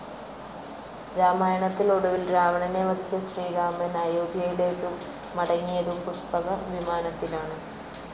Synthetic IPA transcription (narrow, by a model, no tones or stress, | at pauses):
ɾaːmaːjɐɳɐt̪ːiloɽɐʋilɾaːʋɐɳɐne̞ʋɐd̪ʱit͡ɕːɐɕriːɾaːmɐnaːjoːd̪ʱjɐjɽeʈːumː | ɐɽɐŋːijɐðumpuʂpɐɣɐʋimaːnɐt̪ːilaːɳɨ